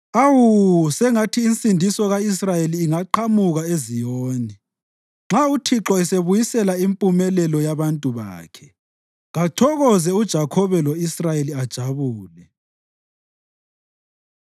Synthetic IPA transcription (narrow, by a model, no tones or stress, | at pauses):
awusɛŋatʰiːnsʼindʱisɔɣais̬rajeliːŋaǃamuɣaezijoːni | ŋ͡ǁautʰiǁɔɛseβujisɛlaimpʼumɛlɛlɔjaβantʼuβa̰ːkʰɛ̥ | ɣatʰɔɣɔzɛud̥ʒ̥ʱakʰɔβɛlɔisrajeliad̥ʒ̥ʱaβuːlɛ